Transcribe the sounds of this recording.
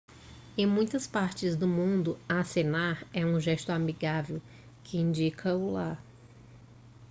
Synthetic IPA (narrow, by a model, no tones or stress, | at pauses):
ẽj̃mũj̃t̪ɐspaɾt͡ʃɪzd̪ʊmũnd̪ʊasenaɾɛũʒɛst̪ʊamiɡavew | kʰɪĩd͡ʒikʰɐʊlaɾ